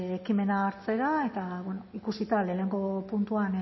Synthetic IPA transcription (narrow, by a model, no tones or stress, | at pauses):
ekime̞naːɾt͡se̞ɾae̞t̪aβwenoikusit̪ale̞ne̞ŋɡo̞punt̪uan